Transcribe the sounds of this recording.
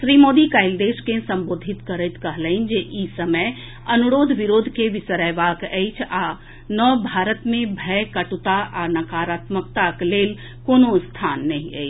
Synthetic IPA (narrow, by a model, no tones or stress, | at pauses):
ʃɾimoːd̪ikaɪld̪eːʃkẽsə̃mboːd̪ʱit̪kəɾət̪kəɦləɪnd͡ʒeʔisəməj | ɐnuɾoːd̪ʱʋiɾoːd̪ʱkeʋɪsəɾəʋakɛjt͡ʃʰa | nɔbʱaːɾət̪mẽbʱɛkəʈut̪aʔanɐkaːɾaːt̪mək̚t̪akleːl | koːnost̪ʰaːnːəɦĩɛ̰it͡ʃ